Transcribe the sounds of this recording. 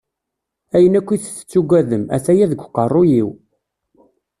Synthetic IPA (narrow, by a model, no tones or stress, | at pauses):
æjənækʷːiθθə̥t͡sːuɡʷæðəmæ̰θæjæðəɡʷqːərˤːʊjiw